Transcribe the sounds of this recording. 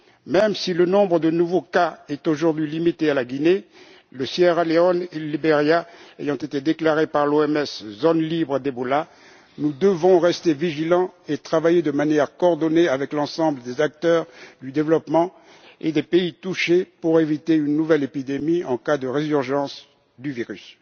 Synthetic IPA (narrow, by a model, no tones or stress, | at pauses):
mɛmsilənɔ̃bʁəd̪ənuvokaɛt̪oʒuʁd̪ɥilimit̪ealaɡʲine | ləsjɛʁaleɔneləlibeʁjaḛjɑ̃t̪et̪ed̪eklaʁepaʁloɛmɛszonlibʁəd̪ebɔla | nud̪əvɔ̃ʁɛst̪eviʒilɑ̃et̪χavajed̪əmanjɛʁkɔɔʁd̪ɔneavɛklɑ̃sɑ̃bləd̪ezak̚t̪œːʁd̪yd̪evlɔpmɑ̃ | ed̪epeit̪uʃepuʁevit̪eynːuvɛlepid̪emiɑ̃kad̪əʁezyʁʒɑ̃s | d̪yviʁys